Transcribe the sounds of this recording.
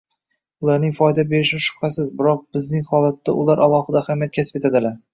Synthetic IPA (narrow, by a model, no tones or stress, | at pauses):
ʊlˠaɾnɪŋʲfɒjd̪abe̞ɾɪʃɪʃʊ̥hhasɪzbɪɾɒq̚bɪznɪŋhɒlˠat̪ʰːaʊlˠaɾʔalˠɒhɨd̪ahamijat̪̚kʲʰasɪ̥pet̪ʰad̪ɪlaɾ